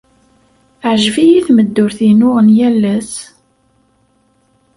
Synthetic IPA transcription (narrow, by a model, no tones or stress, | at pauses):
əʕʒvijiθməd̪ːʊɾθinʊʁənjælːæs